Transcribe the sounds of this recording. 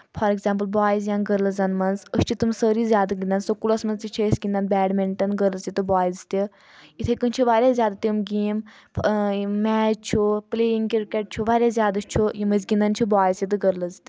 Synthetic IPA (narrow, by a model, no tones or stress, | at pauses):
fʰɐɾeɡzãːmplbaːjizjãnɡəɾlɐzɐnmɐnzəʃt͡ʃʰit̪umsəːɾiːzʲjaːd̪ɐɡʲind̪ɐnsokulɐsmɐnzt̪it͡ʃʰesɡʲĩnd̪ɐnbɛːɖmeɳʈɐnɡəɾlɐsit̪ɨbaːjzt̪ʲi | it̪ʰekɨnt͡ʃʰiʋaːɾʲazʲjaːd̪at̪imɡiːm | mɛːt͡ʃt͡ʃʰupleːiŋɡkiɾkeʈ̚t͡ʃʰuʋaːɾʲjazʲjaːd̪ɐst͡ʃʰujiməzɡĩnd̪ɐnt͡ʃʰubaːjzjit̪ɨɡəɾlɐzt̪ʲi